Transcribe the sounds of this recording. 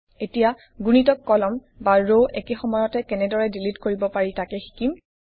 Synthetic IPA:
etija | ɡunitɔkːɔlɔm | baɹoʔekexɔmɔjɔtɛkɛnɛdɔɹɛdilitkoɹibɔpaɹitakɛxi̥kim

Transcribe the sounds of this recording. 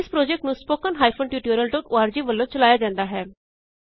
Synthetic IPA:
ɪspɾoːd͡ʒɛk̚ʈnũːspoːkənɦaːipʰonʈjuːʈjuɾjəlʈoːkoaːɾd͡ʒiːʋəlːõːt͡ʃəlaːjaːd͡ʒãːnd̪aːɦɛː

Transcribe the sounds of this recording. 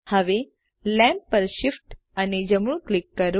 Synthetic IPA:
həʋe | lɛ̃mppəɾɕifʈ | əned͡ʑəmuɭklikːəɾ

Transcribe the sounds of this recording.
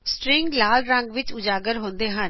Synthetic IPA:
sʈɾɪ̃ŋɡlaːlɾə̃ŋɡʋɪt͡ʃʊd͡ʒaːɡəɾɦõːnd̪eːɦən

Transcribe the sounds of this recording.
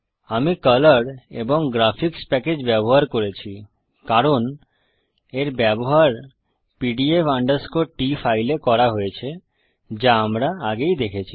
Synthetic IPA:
amikələɽḛboŋɡɾafʰikspɛked͡ʑbɛboɦaɾkoɾet͡ɕʰi | kaɾon | eɾbɛboɦaɾ | piɖiefaɳɖəɾskoʈifʰajlekɔɾaɦojet͡ɕʰe | d͡ʑaamɾaaɡejd̪ekʰet͡ɕʰi

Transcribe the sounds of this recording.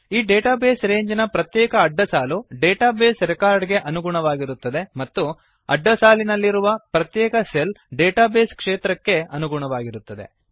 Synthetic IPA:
iːɖeːʈaːbe̞ːsɾe̞ːɲd͡ʒnɐpɾɐt̪jɛːkɐːɖːɐsaːluɖeːʈaːbeːsɾɛkaːɾɖɡe̞ʔɐnuɡuɳɐʋaːɡiɾut̪ːɐd̪e̞mɐt̪ːu | ɐɖːɐsaːlinɐlːiɾuʋɐpɾɐt̪jɛːkɐselɖeːʈaːbeːskʂeːt̪ɾɐkːe̞ɐnuɡuɳɐʋaːɡiɾut̪ːɐd̪e̞̰

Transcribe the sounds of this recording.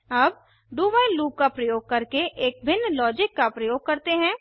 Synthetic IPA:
ɐb̚ | ɖuːbailuːp̚kapɾɐjoːɡ̚kɐɾkeʔeːk̚bʱɪnːlɔːd͡ʒɪkːapɾɐjoːɡ̚kɐɾt̪eɦɛ̃ː

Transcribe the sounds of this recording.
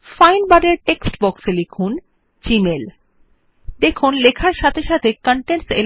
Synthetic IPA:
fajnbaɖeɾʈeksʈbɔkselekʰun | t͡ɕimel | d̪ekʰunlekʰaɾʃat̪ʰeʃat̪ʰekɔɳʈensḛl

